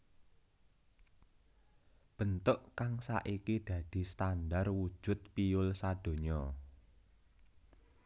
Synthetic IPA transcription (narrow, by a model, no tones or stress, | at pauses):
b̥ə̤nt̪ʊʔkaŋsa̰ʔikid̪̥ä̤d̪̥i̤st̪anɖarwud̥ʒ̥ʊ̤t̪̚piʊlsad̥o̤ɲɔ